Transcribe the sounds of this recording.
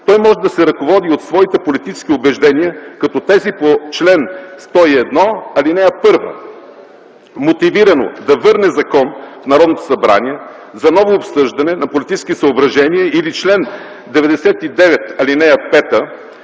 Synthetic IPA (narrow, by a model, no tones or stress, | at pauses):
t̪ɔjmɔʒɛd̪ɐsɛɾɐkovɔd̪iot̪svɔit̪ɛpolit̪it͡ʃɛ̥skʲiobɛʒd̪ɛniəkɐt̪ɔt̪ɛzipot͡ʃlɛnst̪ɔiɛd̪nɔɐlinɛɐpɤɾvə̰ | mot̪iviɾɐno̰d̪ɐvɤɾnɛzɐkɔnfnɐɾɔd̪not̪o̥sɐbɾa̰niɛ | zɐnɔvoːpsɤʒd̪ɐnɛnɐpolit̪it͡ʃɛ̥skisɐobɾɐʒɛniɛilit͡ʃlɛn | d̪ɛvɛd̪ɛsɛt̪id̪ɛvɛt̪ɐlinɛɐpɛt̪ə